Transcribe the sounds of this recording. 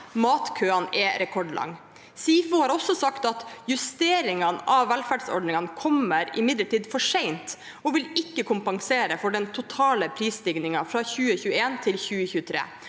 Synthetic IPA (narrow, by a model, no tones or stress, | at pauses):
mɑːt̪kʰøːɑnɛɾɛkʰɔɖlʔɑ̰ŋː | siːfʊhɑːɾɔsɔsɑkt̪ɑt̪jʉst̪eːɾɪŋɑnɑʋʋælfæɖsɔ̰ɖnɪŋɑnkʰɔməɾɪmɪd̪ləʈiːd̪fɔʂɛɪnt̪ | ɔʋɪlɪkːəkʰʊmpɑŋseːɾəfɔɖɛnt̪ʰʊt̪ʰɑːləpʰɾiːst̪ɪɡnɪŋɑfɾɑçʉːəçʉːəeːnt̪ʰɪlçʉːəçʉːət̪ʰɾḛː